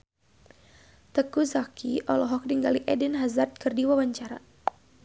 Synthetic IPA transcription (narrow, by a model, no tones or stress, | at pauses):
t̪əkuzakiʔɔlɔɦɔk̚diŋɡaliʔɛdinɦazart̪̚kərdiwawaɲt͡ʃaɾa̰